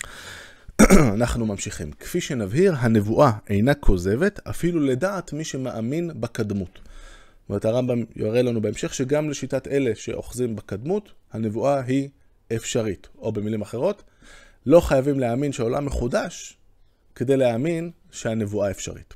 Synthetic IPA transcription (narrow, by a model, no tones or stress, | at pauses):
anaχnumamʃiχḭmkfiʃe̞navɦiʁɦane̞vuʔae̞jnakʰo̞ze̞ve̞ta̰filuledaːtmiʃe̞maʔaminbakadmut | ome̞ʁet̪haʁambamjo̰ʁelanube̞emʃe̞χʃe̞ɡamle̞ʃitate̞le̞ʃe̞̰ʔo̞̰χzimbakad̪muthane̞vuʔaɦi | efʃaʁito̞be̞milimaχe̞ʁo̞t | lo̞χajavimleaminʃeo̞la̰mːe̞χudaʃ | ke̞d̪e̞jleamin | ʃe̞hane̞vuaefʃa̰ʁḭt